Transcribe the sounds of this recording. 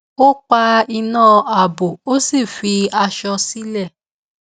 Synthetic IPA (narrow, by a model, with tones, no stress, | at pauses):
o˦k͡pa˧i˧nãː˦˨a˨bo˨o˦si˦˨fi˧a˧ʃɔ˧si˦lɛ˦˨